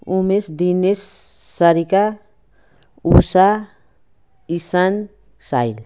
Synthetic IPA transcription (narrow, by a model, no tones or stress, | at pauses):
umesd̪inesː | aɾika | usa | isan | sajl